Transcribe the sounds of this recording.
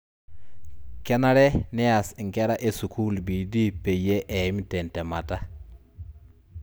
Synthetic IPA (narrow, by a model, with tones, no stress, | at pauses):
kɛ˦na˦ɾɛ˦nɛ˦a˨sŋkɛ˦ɾa˦ʔe˦su˨kʰu˦lbi˨di˦pe˨je˦ʔɛ˨˦mi˦tɛ˨ntɛ˨ma˨ta˦